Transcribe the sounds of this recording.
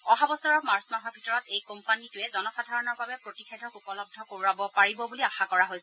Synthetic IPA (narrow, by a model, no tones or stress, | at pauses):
ɔɦabɔsɔɹɔkmaɹsmaɦɔbʱitɔɹɔtejkompanitʊɛzɔnɔxadʱaɹɔnɔɹbabɛpɹotixʰedʱɔkupɔlɔb̚dʱɔkoɹiwabɔpaɹibɔbuliaxakɔɹaɦojsɛ